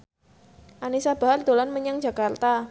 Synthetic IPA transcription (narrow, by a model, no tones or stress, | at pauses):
ʔanisab̥a̤ɦard̪̥o̤lanməɲaŋd͡ʒa̤kart̪a